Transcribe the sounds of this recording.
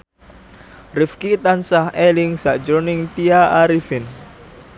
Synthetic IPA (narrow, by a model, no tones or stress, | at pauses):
rifkit̪ansahɛlɪŋsaʔd͡ʒonɪŋt̪iaʔaɾifin